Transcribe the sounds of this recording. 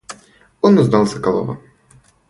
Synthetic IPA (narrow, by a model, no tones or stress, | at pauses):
ɔnʊznɑlˠsɐkɐlˠɔ̰vɐ̰